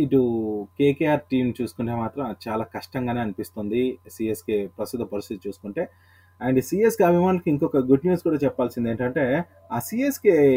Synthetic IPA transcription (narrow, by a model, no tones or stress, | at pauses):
iʈukeːkeːaːɾʈiːmt͡ʃuːsu̥kuɳʈe̞ːmaːt̪ɾɐmt͡ʃaːlaːkɐʂʈɐŋɡaːne̞ːɐnipist̪ond̪isiːeskepɾɐst̪it̪ɐpɐɾist̪it̪it͡ʃuːsu̥kuɳʈe̞ː | aːɳɖsiːeskiɐbʱimaːnulɐkiiŋkɔkɐɡuɖnjuːskuːɽaːt͡ʃɛpːaːlsind̪eːɳʈɐɳʈe̞ː | aːsiːeske